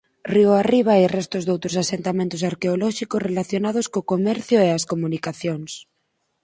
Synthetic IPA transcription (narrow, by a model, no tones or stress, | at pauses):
rioariβ̞airɛst̪ozðowt̪ɾosasent̪amẽnt̪osaɾkeolɔʃikosrelaθjonað̞oskokomɛɾθjoeaskomũnikaθjoŋs